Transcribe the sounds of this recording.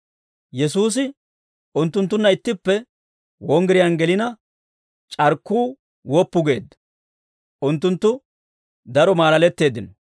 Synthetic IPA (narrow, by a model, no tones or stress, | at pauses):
jɛsuːs̬ɪ | ʔʊnt̪ːʊnt̪ːʊnːɐɪt̪ːɪpːɛ | wɔŋɡɪɾɪjɐnɡɛlɪnɐ | t͡ʃʼɐɾkːuː | wɔpːʊɡe̞̰ːd̪ːɐ̥ | ʔʊnt̪ːʊnt̪ːʊ | d̪ɐɾɔmaːlɐlɛt̪ːe̞ːd̪ːɪnɔ